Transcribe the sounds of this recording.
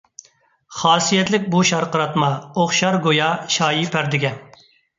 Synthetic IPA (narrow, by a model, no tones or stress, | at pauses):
χɑːsijɛt̪lɪk̚ʲbuʃɑɾqəɾɑt̪mɑoχʃɑɾɡojɑʃɑːjipʰæɾd̪ɪɡʲɛn